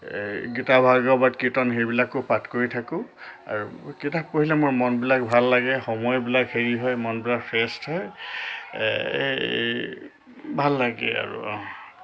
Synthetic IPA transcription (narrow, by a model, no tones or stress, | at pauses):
ɡitabʱaɡɔbatkɹitɔnɦebilakʊpatkoɹitʰakʊ̃a̰ɹukitak̚poɦilɛmʊɹmɔnbilak̚bʱalːaɡɛxɔmɔjbilakheɹiɦɔjmɔnbilakpʰɛstɦɔj | bʱalːaɡɛ̰a̰ɹṵ